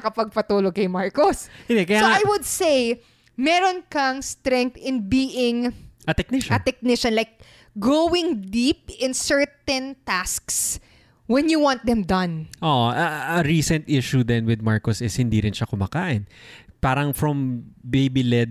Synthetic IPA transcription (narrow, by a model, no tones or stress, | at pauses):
ɐkɐpɐɡ̚pɐt̪uːlokɐjmaɹkoshɪ̃nd̪ɛkɐjsaoajwʊd̪sej | mɛːɾonkɐŋst̪ɾɛŋk̚t̪ɪ̃nbiːʔɪŋʔɐt̪ɛk̚nɪʃɐt̪ɛk̚nɪʃɐ̃nlajk̚ | ɡowɪŋd̪ip̚ɪ̃nsɛɹt̪ɛ̃nt̪asks | wɛnjuwãnt̪̚d̪ɛmd̪ɐ̃nʔoʔʔɐɐɹiːsɛ̃nt̪ʔɪʃud̪ɛnwɪd̪̚maɹkosɪshɪnd̪iɾɪnʃɐkʊmaːkaːʔɪnpaːɾɐŋfɹɔmbejbilɛd̪̚